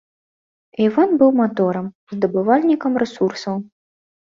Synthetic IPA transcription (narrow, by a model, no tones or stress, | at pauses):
ivanbɨwmat̪ɔɾɐm | zd̪ɐbɨvalʲnʲikɐmɾɛsursɐw